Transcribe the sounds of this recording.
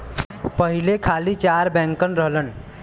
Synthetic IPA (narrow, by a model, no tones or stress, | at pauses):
pəɦilekʰalit͡ʃaɾbɛ̃ŋkənɾəɦlən